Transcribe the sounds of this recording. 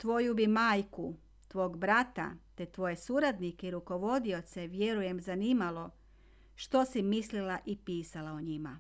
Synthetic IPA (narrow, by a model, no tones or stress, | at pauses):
t̪ʋo̞jubimaːjku | t̪ʋo̞ːɡbɾat̪a̰t̪e̞t̪ʋo̞je̞suɾad̪nikeiɾuko̞ʋo̞d̪io̞t̪se̞ʋje̞ɾuje̞mzaniːmalˠo̞ | ʃt̪o̞simislilaʔipiːsalaoɲima̰